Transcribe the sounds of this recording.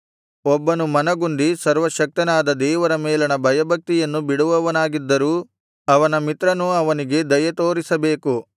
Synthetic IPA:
ɔbːɐnumɐnɐɡuɳɖ̪isɐɾʋɐʃɐk̚t̪ɐnaːd̪ɐd̪ɛːʋɐɾɐmɛːlɐnɐbʱɐjɐbʱɐk̚t̪ijɐnːubiɽuʋɐʋɐnaːɡid̪ːɐɾuː | ɐʋɐnɐmit̪ɾɐnuɐʋɐniɡe̞d̪ɐjɐt̪oːɾisɐbeːku

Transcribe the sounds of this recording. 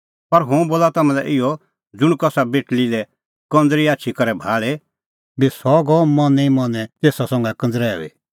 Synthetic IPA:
pɐɾɦũboːlat̪amãlɛ̰ʔɪjɔ | d͡zʊɽ̃kɔsabeːʈlilɛ | kɐ̃nd͡zɾiaːt͡ʃʰikɔɾɛbʱaːɭe | bisɔɡɔmɔ̃nĩmɔnɛt̪eːsasɔ̃ŋɡɛkɐ̃nd͡zɾɛːɔ̰ḭ

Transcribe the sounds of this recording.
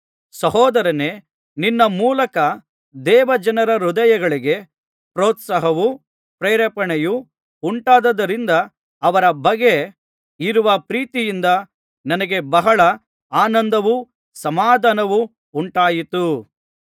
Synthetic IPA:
sɐɦɔːd̪ɐɾɐne̞ː | ninːɐmuːlɐkɐ | d̪ɛːʋɐd͡ʒɐnɐɾɐɾud̪ɐjɐɡɐɭiɡe̞ | pɾoːt̪sɐɦɐʋu | pɾeːɾɐpɐɳɛju | uɳʈaːd̪ɐd̪ɐɾind̪ɐː | ʋɐɾɐbɐɡːe̞ | iɾuʋɐpɾiːt̪ijind̪ɐ | nɐnɐɡe̞bɐɦɐɭɐ | aːnɐnd̪ɐʋu | sɐmaːd̪ɐnɐʋuː | ɳʈaːjit̪u

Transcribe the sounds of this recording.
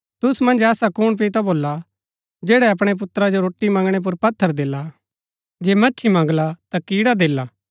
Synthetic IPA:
t̪ʊsmɐ̃nd͡ʒɛːsakʊɽ̃p̬it̪aboːla | d͡ʒɛːɽɛɐp̬ɽ̃ep̬ʊt̪ɾad͡ʒoɾoːʈːimɐ̃ːŋɡɽ̃ep̬ʊɾpɐt̪ʰːəɾd̪eːla | d͡ʒeːmɐtːʃʰimãŋɡlat̪akiːɽad̪eːlaː

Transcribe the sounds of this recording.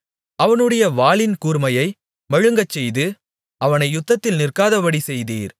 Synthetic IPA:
ɐʋɐnɯɽɐjɐʋaːlɪnkuːɾmɐjɐɪ | mɐɻɯŋɡɐt͡ʃːɛjðɯ | ɐʋɐnɐɪjʊt̪ːɐt̪ːɪlnɪrkaːðɐʋɐɽisɛjðiːɾ

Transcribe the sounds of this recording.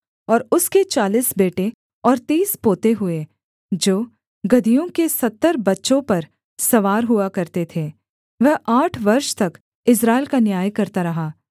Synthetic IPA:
ɔːɾʊsket͡ʃaːliːsbeːʈe | ɔːɾt̪iːspoːt̪eɦʊe | d͡ʒoː | ɡɐd̪ʱijõkesɐt̪ːəɾbɐtːʃõpɐɾ | sɐʋaːɾɦʊakɐɾt̪et̪ʰeː | ʋɛɦʔaːʈʰʋɐɾʃt̪ɐk | ɪs̬ɾaːɪlkanjaːjkɐɾt̪aɾɐɦaː

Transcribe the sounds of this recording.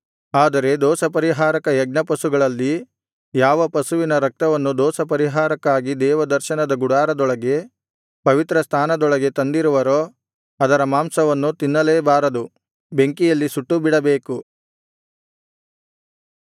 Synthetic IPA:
aːd̪ɐɾe̞d̪ɔːsɐpɐɾiɦaːɾɐkɐjɛɡ̚nɐpɐsuɡɐɭɐlːi | jaːʋɐpɐsuʋinɐɾɐk̚t̪ɐʋɐnːud̪ɔːsɐpɐɾiɦaːɾɐkːaːɡid̪ɛːʋɐd̪ɐɾʃɐnɐd̪ɐɡuɽaːɾɐd̪ɔɭɐɡe̞ | pɐʋit̪ɾɐst̪ʰaːnɐd̪ɔɭɐɡe̞t̪ɐnd̪iɾuʋɐɾoː | ɐd̪ɐɾɐmaːmsɐʋɐnːut̪inːɐleːbaːɾɐd̪u | be̞ŋkijɐlːisuʈːubiɽɐbe̞ːku

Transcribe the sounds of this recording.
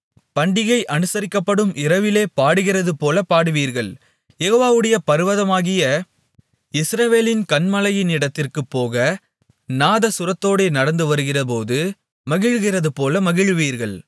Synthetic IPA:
pɐɳɖɪɣɐɪʔɐnɯsɐɾɪkːɐpːɐɽɯmʔɪɾɐʋɪleːpaːɽɯɣɪrɐðɯpoːlɐpaːɽɯʋiːɾɣɐɭ | jɛɣoːʋaːʋɯɽɐjɐpɐɾɯʋɐðɐmaːɣɪjɐ | ɪsɾɐʋeːlɪnkɐɳmɐlɐjɪnɪɽɐt̪ːɪrkɯpːoːɣɐ | naːðɐsʊɾɐt̪ːoːɽeːnɐɽɐnd̪ɯʋɐɾɯɣɪrɐp̬oːðɯ | mɐɣɪɻɣɪrɐðɯpoːlɐmɐɣɪɻʋiːɾɣɐɭ

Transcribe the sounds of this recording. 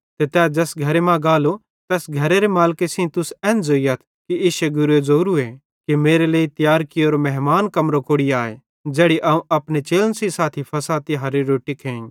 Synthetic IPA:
t̪et̪ɛːd͡ʒɛːsɡʱɐɾemãɡaːlo | t̪ɛːsɡʱɐɾeɾemaːlkesĩt̪ʊsɛ̃ːnd͡zoːiɐt̪ʰ | kieːʃeɡʊɾuezoːɾue | kimeːɾeleːit̪jaːɾkɪoːɾomɛɦmaːnkɐmɾokoːɽiaːḛ | d͡ʒɛːɽiʔɐũʔɐpnet͡ʃeːlənsisaːt̪ʰipʰɐsaːt̪iɦɐɾeɾoːʈikʰẽːŋ

